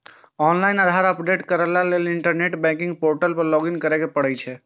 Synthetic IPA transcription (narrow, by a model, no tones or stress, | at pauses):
ɔnlajnəd̪ʱaɾəpɖeʈkəɾəlaleliɳʈəɾneʈbɛ̃kĩŋɡ̚poɾʈəlpəɾlɔɡinkəɾɛkepəɽɛjt͡ʃʰɛ